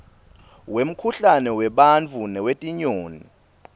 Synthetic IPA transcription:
wem̩kʰuɬanɛwɛɓant͡fʰunɛwetʼiɲoːni

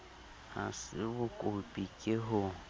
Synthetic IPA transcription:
hasɪbʊkʼʊpʼikʼeɦʊ

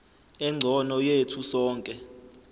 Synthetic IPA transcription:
ɛŋ͡ǀʱɔnɔjetʰusɔːŋkʼɛ

